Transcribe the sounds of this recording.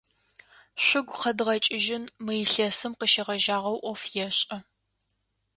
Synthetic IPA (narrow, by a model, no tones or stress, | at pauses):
ɕʷʊɡʷqɐdʁɐt͡ʃʼɪʒɪnmɨjɪɬɐsɨmqəʃɐʁɐʒaːʁɐwʔʷɔfjɛɕʼɐ